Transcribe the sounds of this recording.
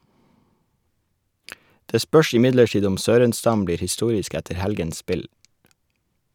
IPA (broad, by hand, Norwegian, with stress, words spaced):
ˈdeː ˈspœʃ ɪˈmɪdləˌʈiːd ˈʊm ˈsøːɾənˌstɑm ˈbliːɾ hɪˈstuːɾɪsk ˈɛtə ˈhɛlɡəns ˈspɪl